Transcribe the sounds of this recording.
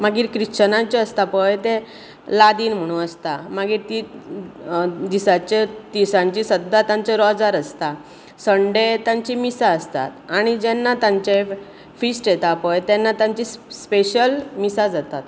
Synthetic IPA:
maɡiːɾkɾit͡ɕənãt͡ɕeəst̪apəjt̪e | lad̪iːnm̤əɽ̃ũəst̪amaɡiːɾt̪i | d̪isat͡ɕet̪isãɲt͡ɕisəd̪ːat̪ãɲt͡seɾɔd͡zaɾəst̪a | səɳɖet̪ãɲt͡ɕimisaəst̪a̰t̪aɽ̃id͡ʑɛnːat̪ãɲt͡ɕe | fisʈjet̪apəjt̪ɛnːat̪ãɲt͡ɕispeɕəlmisad͡zat̪at̪

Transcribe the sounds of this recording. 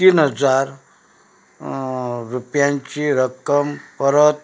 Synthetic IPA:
t̪inɦʌd͡zaɾ | ɾupjãnt͡ɕiɾəkəmpəɾət̪̚

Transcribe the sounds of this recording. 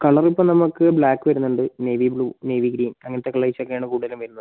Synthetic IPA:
kɐɭɐripːoːnɐmːukːɨbɭaːkːɨʋɐɾunːuɳɖɨneʋibɭuːne̞ʋiɡɾiːnɐŋːɐnɐt̪ːekːɐɭɐit͡ɕːokːɐjaːɳɨkuːɽuðɐlumʋɐɾunːɐðɨ

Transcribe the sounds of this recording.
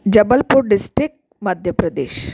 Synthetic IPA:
d͡ʒɐbəlpuɾɖɪsʈɾik̚ʈ | mɐd̪ʱjəpɾɐd̪ḛːʃ

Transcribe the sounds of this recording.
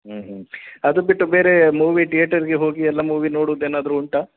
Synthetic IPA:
ɦ̩ɦɐd̪ubiʈːube̞ːɾe̞muːʋiʈijeːʈɐɾiɡeɦo̞ːɡiɛlːɐmuːʋino̞ːɽuʋd̪eːnaːd̪ɐɾuːɳʈa

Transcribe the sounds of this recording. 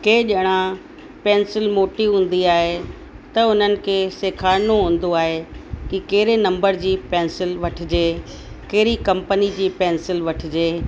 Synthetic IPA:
keːʄəɽ̃ã | pɛ̃ːnsɪlmoːʈiɦũːn̆d̪iaːɦe | t̪ɐʊn̤ənɪ̆kʰeːseːkʰaːɾnoɦũːn̆d̪oaːɦekɪkeːɾenɐ̃mbəɾd͡ʑiːpɛ̃ːnsɪlʋɐʈʰɪd͡ʑeː | keɦɾikɐ̃mpənid͡ʑiːpɛ̃ːnsɪlʋɐʈʰɪ̆d͡ʑeː

